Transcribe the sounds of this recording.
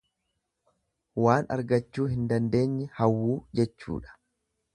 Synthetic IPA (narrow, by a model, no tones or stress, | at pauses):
waːnɐ̰ɾɡɐt͡ʃːuːhɪnd̪ɐnd̪e̞ːɲːɛhɐwːuːd͡ʒɛt͡ʃːṵːᶑɐ̥